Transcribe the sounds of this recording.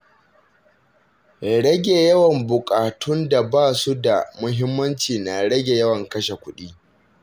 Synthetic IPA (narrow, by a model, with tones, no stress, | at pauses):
ɽɐ˦ɡʲe˨jɐ˦wɐ˨mbʊ˨kʼaː˨tʰʊ˦nda˨baː˦˨su˦da˨mʊ˦ɦɪ˦mːɐ˦nt͡ʃiː˨na˨ɽɐ˦ɡʲe˨jɐ˦wɐ˨ŋkɐ˦ʃe˨kʷʊ˦ɗiː˦